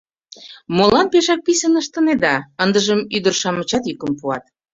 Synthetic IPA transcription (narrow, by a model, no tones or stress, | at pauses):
molɑnpeʃɑk̚pisənəʃt̪ə̆ned̪ɑənd̪əʒəmyd̪ərʃɑmət͡ɕɑt̪jykəmpuɑt̪̚